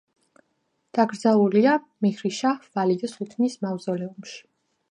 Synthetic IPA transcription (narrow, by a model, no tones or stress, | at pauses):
d̪̥aɡɾd̪zalˠulia | miɣɾiʃavalid̪asut̪ʰnismavzɔlɛumʃi̥